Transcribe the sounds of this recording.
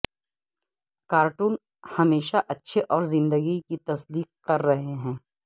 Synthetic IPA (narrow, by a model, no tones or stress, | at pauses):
kaːɾʈuːn | hɐmeːʃaʔɐtːʃʰeʔɔːɾzɪ̃nd̪əɡikit̪ɐsd̪iːqkɐɾːɐɦeɦɛ̃ː